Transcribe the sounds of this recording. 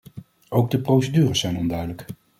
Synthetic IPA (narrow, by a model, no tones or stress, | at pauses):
owɡ̚dəprowsədyːrəsɛjnɔndœɥdələk